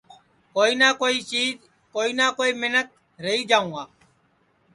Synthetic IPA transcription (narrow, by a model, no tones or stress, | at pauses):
koːiːnaːkoːiːt͡ʃiːz | koːiːnaːkoːiːmɪnək̚ | ɾəɦiːd͡ʒaːũːaː